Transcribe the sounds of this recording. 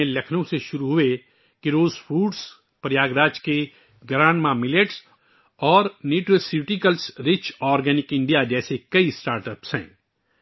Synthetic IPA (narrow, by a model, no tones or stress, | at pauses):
ẽlɐkʰnõseʃʊɾuɦʊe | kiɾoːzfuːɖs | pɾjaːɡɾaːd͡ʒke | ɡɾãːɳmãmɪleʈs | ɔːɾniːʈəsiʈikəlsɾɪt͡ʃɔːɾɡɛːnɪkɪ̃ɳɖijad͡ʒɛːsekɐisʈaːɾʈəpsɦɛ̰̃ː